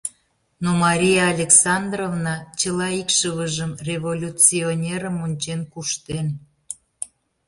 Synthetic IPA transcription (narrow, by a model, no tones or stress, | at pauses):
nomɑɾʲijɑːlʲeksɑnd̪rovnɑt͡ɕəlɑikʃəβəʒəmrʲevolʲut͡sionʲeɾəmonʲt͡ɕenkuʃt̪en